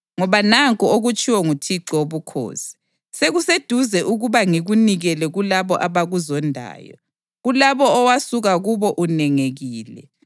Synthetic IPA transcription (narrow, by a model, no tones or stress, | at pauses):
ŋɔβanaŋkʼɔoɣut͡ʃʼiwɔŋutʰiǀɔoβukʰo̰ːsi̥ | seɣused̥ʱuzɛʔuɣuβaŋiɣuniɣɛlɛɣulaβɔʔaβaɣuzɔndʱa̰ːjɔ̰ | ɣulaβɔːwasuɣaɣuβɔʔunɛŋeɣiːlɛ̰